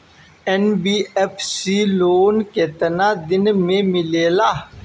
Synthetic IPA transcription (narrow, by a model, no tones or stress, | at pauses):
ɛnbiːepʰsiːloːnket̪ənaːd̪ɪnmẽmɪleːlaː